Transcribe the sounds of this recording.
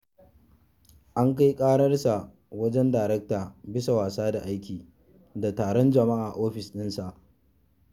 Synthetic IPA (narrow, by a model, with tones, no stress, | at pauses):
ʔa˦ŋka˦jkʼaː˦ɽɐ˦rsa˨ | wɐ˦d͡ʒɛ˦ndaː˨ɾɛ˦k̚taː˨bɪ˦sa˨waː˨saː˦da˨ʔa˦jkʲiː˨ | da˨taː˨ɽɔ˦nd͡ʒɐ˨ma˦ʔaː˨ʔoː˦ɸɪ˨sɗɪ˦nsa˨ʔ